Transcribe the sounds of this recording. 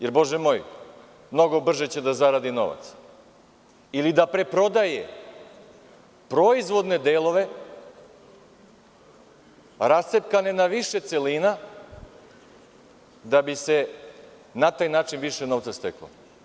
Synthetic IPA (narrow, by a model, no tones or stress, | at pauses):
jeɾbo̞ʒemo̞ːj | mno̞ɡo̞br̩ʒe̞t͡ɕe̞d̪azaɾad̪ino̞̰ʋa̰t̪s | ilid̪apɾe̞pɾo̞d̪ajḛ | pɾo̞izʋo̞d̪ne̞d̪eːlˠo̞ʋe̞ | ɾast̪epkane̞naʋiʃe̞t̪se̞lina | d̪abise̞ | nat̪aːjnaːt͡ʃinʋiʃeno̞ʋt̪sast̪eklo̰